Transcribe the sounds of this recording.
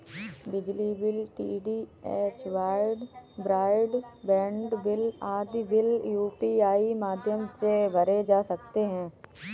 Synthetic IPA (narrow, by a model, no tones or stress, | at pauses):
bɪd͡ʒlibɪlʈiːɖiːɛːt͡ʃʋaːɪɖbɾaːɪɖbɛ̃ːɳɖbɪlaːd̪bɪljuːpiːaːimaːd̪ʱjəmsebʱɐɾed͡ʒaːsɐk̚t̪eɦɛ̃ː